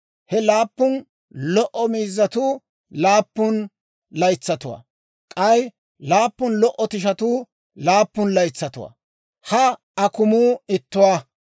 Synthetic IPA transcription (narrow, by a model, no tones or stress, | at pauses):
hɛlaːpːʊn | lɔʔɔmiːzːɐt̪uː | laːpːʊn | lɐjt͡sːɐt̪ʊwa̰ː | kʼɐj | laːpːʊnlɔʔːɔt̪ɪʃɐt̪uː | laːpːʊnlɐjt͡sːɐt̪ʊwa̰ː | hɐ | ɐkʊmuːɪt̪ːʊwaː